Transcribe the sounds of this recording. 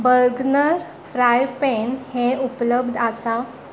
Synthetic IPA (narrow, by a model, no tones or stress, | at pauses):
bəɾɡnəɾ | fɾajpenheupləbd̪ʱasa